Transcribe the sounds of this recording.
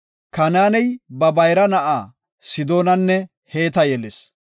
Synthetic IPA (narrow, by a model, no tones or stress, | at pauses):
kɐnaːnɛjbɐbɐjɾɐnɐʔaː | sɪd̪o̞ːnɐnːɛ | heːt̪̬ɐjɛles